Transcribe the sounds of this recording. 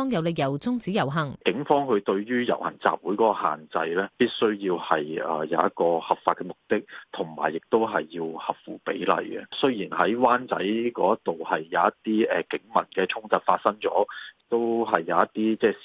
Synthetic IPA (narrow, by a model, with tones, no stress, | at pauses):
ɔː˥ŋjɐ˨˧wle˨˧k̚jɐ˨˩wt͡sʊ˥ŋt͡siː˨˥jɐ˨˩wɦɐ˨˩ŋkɪ˨˥ŋfɔː˥ŋhɵ˧t̪ɵ˧ɥɥyː˥jɐ̰˨˩whɐ̰˨˩nt͡sa̰ː˨p̚wu˨˥jkɔ˨˥kɔ˧ha̰ː˨˩nt͡sɐ˧jlɛː˥piː˥t̚sɵ˥ɥjiː˧whɐ˨jːjɐ˨˧wɐ˥t̚kɔː˧hɐ˨p̚faː˧t̚kɛ˧mʊ˨k̚t̪ɪ˥k̚t̪ʰʊ˨˩ŋma̰ː˨˩jːɪ˨k̚t̪o˥wɦɐ˨jːiː˧whɐ˨˩p̚fuː˨˩pḛ˨˥jlɐ̰˨jkɛ̰˨sɵ˥ɥjiː˨˩nɦɐ˨˥jwaː˥nt͡sɐ̰˨˥jkɔ̰ː˨˧˥jɐ˥tt̪o˨whɐ˨jːɐ˨˧ɐ˥t̪iː˥ɛː˨˩kɪ˨˥ŋmɐ˨˩nkɛː˧t͡sʰʊ˥ŋt͡sɐ˨˧t̚faː˧t̚sɐ˥ŋt͡ʃɔː˨˥t̪o˥wɦɐ˨jːɐ˨˧wɐ˥t̪iː˥t͡sɛː˥